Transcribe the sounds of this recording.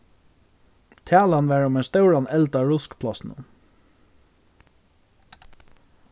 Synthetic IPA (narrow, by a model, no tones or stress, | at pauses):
t̪ʰæːlanʋæːɹʊmɛɪnst̪œʊɹanɛlt̪aɹʊskpʰlasn̩ə̰